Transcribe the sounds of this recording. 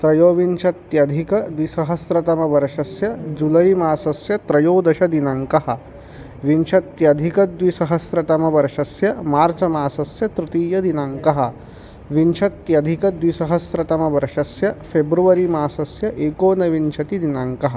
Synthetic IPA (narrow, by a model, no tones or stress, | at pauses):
t̪ɾɐjoːʋiɲt͡ʃʰɐt̪jɐd̪ʱikɐd̪ʋisɐɦɐsɾɐt̪ɐmɐʋɐɾɐʃɐsjɐd͡ʒulɐjmaːsɐsjɐt̪ɾɐjoːd̪ɐʃɐd̪inɐŋkɐɦɐ̆ | ʋiɲt͡ʃʰɐt̪jɐd̪ʱikɐd̪ʋisɐɦɐsɾɐt̪ɐmɐʋɐɾɐʃɐsjɐmaːɾt͡ʃɐmaːsɐsjɐt̪ɾut̪iːjɐd̪inaŋkɐɦɐ̆ | ʋiɲt͡ʃʰɐt̪jɐd̪ʱikɐd̪ʋisɐɦɐsɾɐt̪ɐmɐʋɐɾɐʃɐsjɐfʰebɾuʋɐɾimaːsɐsjɐʔeːkoːnɐʋiɲt͡ʃʰɐt̪id̪inaŋkɐɦɐ